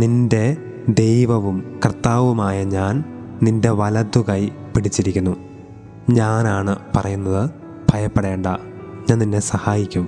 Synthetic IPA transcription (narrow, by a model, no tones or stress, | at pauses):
ninde̞ | d̪e̞jʋɐʋumkrt̪ːaːʋumaːjɐɲaːn | ninde̞ʋɐlɐd̪ːuɣɐj | piɽit͡ɕːiɾikʲːunːu | ɲaːnaːɳɨpɐrɐjunːɐðɨ | b̥ʱɐjɐpːeɽe̞ːɳɖɐ̰ | ɲaːnninːe̞sɐhaːjikʲːum